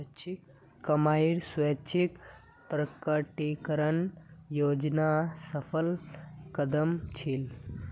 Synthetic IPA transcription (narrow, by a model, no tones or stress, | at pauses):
t͡ʃʰik | kɐmaiɾswɐt͡ʃʰik | pɾəkəʈikəɾənjoːd͡ʒnasəpʰəlkɐd̪əmt͡ʃʰil